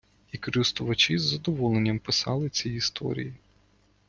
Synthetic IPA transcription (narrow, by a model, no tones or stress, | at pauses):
ikɔɾɪst̪ʊʋɐt͡ʃizːɐd̪ɔʋɔlˠenʲːɐmpɪsɑlˠɪt͡sʲijist̪ʰɔ̰ɾʲḭji